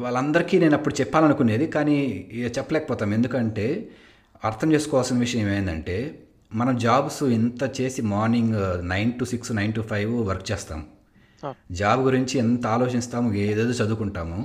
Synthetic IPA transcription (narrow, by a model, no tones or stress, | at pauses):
ʋaːɭːɐnd̪ɐɾikiːne̞ːnɐpːuɽut͡ʃɛpːaːlɐnukune̞ːd̪ikaːnit͡ʃɛpːɐlɛːkɐpɔːt̪aːme̞nd̪ukɐɳʈe̞ː | ɐɾt̪ʰɐmt͡ʃeːsu̥kɔːʋɐlsɐnɐʋiʂɐjɐmeːʋɐjind̪ɐ̰ɳʈe̞ː | mɐnɐmd͡ʒaːbsuint̪ɐt͡ʃe̞ːsimaːɾniŋɡnɐjnʈusiksnɐjnʈupʰɐjʋʋɐɾkt͡ʃɛːst̪a̰ːmu | d͡ʒaːbɡuɾiɲt͡ʃient̪ɐaːloːt͡ʃist̪aːmueːd̪eːd̪oːt͡ʃɐd̪uːkuɳʈaːmu